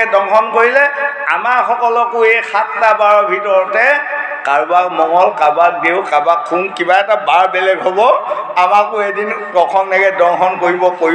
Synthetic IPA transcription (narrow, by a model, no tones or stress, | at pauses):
ɛdɔŋkʰɔnkoɹilɛ | a̰maɹxɔkɔlɔkʊejxattabaɹɔbʱitɔɹɔtɛ | kaɹbakmɔŋɔlkabatdeʊkabakʰːumkibaɛtabaɹbɛlɛɡɦobɔamakʊedinkɔkʰɔnːɛɡɛdɔŋxʰɔnkoɹibɔkoɹ